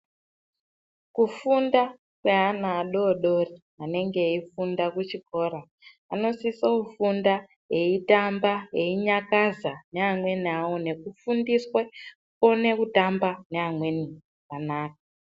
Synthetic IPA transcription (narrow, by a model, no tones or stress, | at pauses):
kufunda | kwe̞ɦanaːɗo̞ɗo̞ri | ane̞ŋɡe̞ifundakut͡ʃiko̞ːɾaː | no̞sisoufunda | jeitambaje̞iɲakazane̞amwe̞niawo̞ne̞kufundiswe | kone̞kutambane̞amwe̞niakanaːka